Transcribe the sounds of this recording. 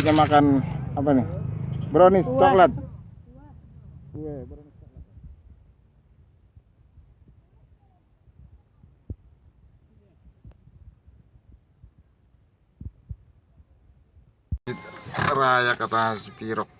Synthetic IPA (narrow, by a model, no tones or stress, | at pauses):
ɲamakanapanibɾonist̪ɔklat̪̚ | jabɾonist̪ɔk̚lat̪̚ | it̪̚ɾajakat̪aasipiɾɔk̚